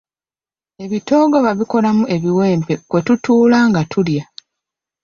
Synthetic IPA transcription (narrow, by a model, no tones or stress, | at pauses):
e̞βito̞ːɡoβaβiko̞lamuʔe̞βiwe̞ːmpe̞kwe̞tutuːlaːŋɡatʰulja